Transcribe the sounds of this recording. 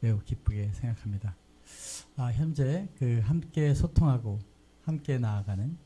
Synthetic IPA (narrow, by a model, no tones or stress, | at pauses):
me̞ukip͈uɡe̞sʰe̞ŋɡakʰamɲida | açjʌnd͡ʑe̞kɯɦamk͈e̞sʰotʰoŋɦaɡo | hamk͈e̞naːɡanɯn